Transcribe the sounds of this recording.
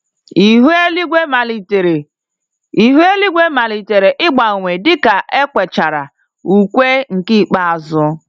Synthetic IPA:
i˨ɦe˦li˦ɡʷe˦ma˨li˨te˨ɾe˨ | i˨ɦu˦e˦li˦ɡʷe˦ma˨li˨te˨ɾe˨ʔɪ˦ɡ͡ba˨ŋʷe˨dɪ˦ka˨ʔe˦kʷe˨t͡ʃa˨ɾa̰˨ | u˨kʷe˦ŋ̩˨ki˦˨k͡pa˦a˨zʊ˦

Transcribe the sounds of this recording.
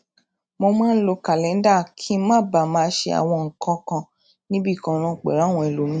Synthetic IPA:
mo˧mãː˦n̩˦lo˧ka˨lɛ̃˨˦n̩˦da˦˨kʰi˦mãː˦˨ba˨mãː˦ʃe˧a̰˨w̃ɔ̃˧ŋ̩˨kɔ̃˧˦kã˧ | nĩ˦bi˦˨kɔ̃˧ñã˨˧˨k͡pɛ̰˨ɾa˨˦˨w̃ɔ̃˧ɛ˨lo˨˦mĩ˦

